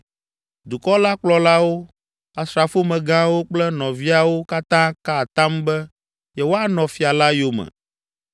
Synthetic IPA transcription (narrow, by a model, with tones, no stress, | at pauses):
d̪u˨kɔ˦la˦k͡plɔ˦la˦wo˦ | a˨sɾa˨fo˦mɛ̃˨ɡã˦wo˦k͡plɛ˦nɔ̃˨vi˦a˨wo˦ka˦t̪ã˦ka˦˨t̪ã˦mbɛ˦ | jɛ˦wo˦a˦nɔ̃˨fi˨a˨la˦jo˦mɛ̰̃˨